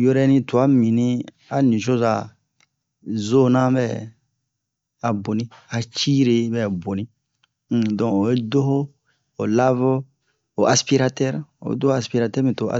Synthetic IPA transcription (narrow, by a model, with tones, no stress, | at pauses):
jo˦ɾɛ˦nĩ˦tu˨a˦mĩ˨nĩ˦ | a˨nĩ˨ʃ̬o˦za̰˨ | zo˦nã˦bɛ˦˨ | a˨bo˨nĩ˦a˨t͡ʃi˦ɾe˧˦bɛ˨bo˨nĩ˦˨ | dɔ̃˨o˨je˦do˦ɦo˦ | o˨la˦vo˦ | o˨ʔa˨spi˦ɾa˦˧tɛ˦ɾo̰˨ḛ˦do˦o˦a˨spi˦ɾa˧tɛ˦mĩ˨to˨ʔa̰˨